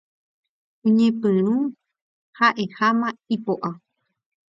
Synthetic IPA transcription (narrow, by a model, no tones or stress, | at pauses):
ũɲẽpɨ̃ɾ̃ũ | haʔehamãipoʔa